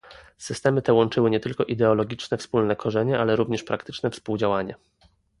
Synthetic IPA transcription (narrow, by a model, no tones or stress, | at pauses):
sɘst̪ɛmɘt̪ɛwɔnt͡ʂɘwɘɲɛt̪ɘlkɔʔid̪ɛɔlɔɡʲit͡ʂnɛfspulnɛkʰɔʐɛɲɛʔalɛɾuvɲɛʂpɾakt̪ɘ̥t͡ʂnɛfspuwd͡ʑawaɲɛ